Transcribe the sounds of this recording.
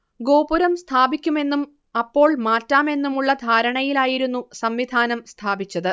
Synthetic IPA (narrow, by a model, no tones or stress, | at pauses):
ɡo̞ːpuɾɐmst̪ʰaːbikʲːume̞nːum | ɐpːo̞ːɭmaːtːaːme̞nːumuɭːɐd̪ʱaːɾɐɳɐjilaːjiɾunːusɐmʋid̪ʱaːnɐmst̪ʰaːbit͡ɕːɐðɨ